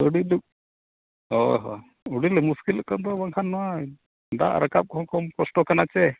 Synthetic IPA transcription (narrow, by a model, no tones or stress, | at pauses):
ɔɖiluk̚ | ɔɦɔ̰ | ɔɽilɛmuskilɔʔkand̪ɔbaŋkʰanːɔwa | ɖa̰ʔɾəkap̚kɔɦɔkɔmkɔsʈɔkanat͡ʃɛ